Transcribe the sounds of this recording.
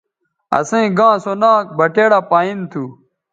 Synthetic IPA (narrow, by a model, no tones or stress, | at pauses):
ɐ̰sẽĩɡãːsonaːk̚bɐʈeːɽapaːint̪ʰu